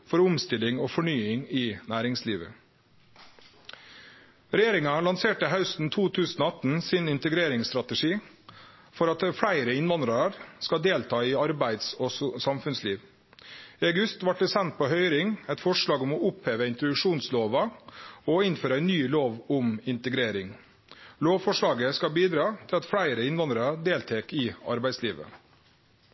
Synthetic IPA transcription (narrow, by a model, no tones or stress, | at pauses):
fɔɾʊmst̪ɪlɪŋoːfɔɳyːɪŋɪnæːɾɪŋsliːʋə̰ | ɾɛjeːɾɪŋɑlɑnseːʈəɦɑʉst̪n̩t̪ʰuːt̪ʰʉːsn̩oːɑt̪n̩sɪnɪnt̪əɡɾeːɾɪŋst̪ɾɑt̪əʂiː | fɔɾɑt̪fɽæɪɾəɪnʋɑnd̪ɾɑɾskɑd̪eːlt̪ʰɑːɪɑɾbæɪd̪sɔːsɑmfʉnsliːʋ | ɪɑɡʉst̪ʋɑʈ̪̚ːɛsɛnt̪̚pʰɔɦœʏɾɪŋɛɪt̪fɔʂɭɑːɡɔmɔʊpheːʋəɪnt̪ɾɔd̪ʉkʂuːnsloːʋɑɔɪnføːɾəæɪnːyːloːʋʊmɪnt̪əɡɾeːɾɪŋ | loːʋfɔʂɭɑːɡəskɑbiːd̪ɾɑːt̪ʰɪlɑt̪fɽæɪɾəɪnʋɑnd̪ɾɑd̪eːlt̪ʰeːkɪɑ̰ɾbæɪsliːʋə̰